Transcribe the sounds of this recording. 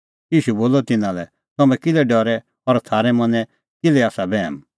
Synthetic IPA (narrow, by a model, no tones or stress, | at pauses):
jiːʃuboːlɔt̪ɪnãlɛ | t̪ɐmɛ̃kɪlɛɖɔɾɛ | ɔɾt̪ʰaːɾɛmɐ̃nɛ̃ | kɪlɛaːsabɛːm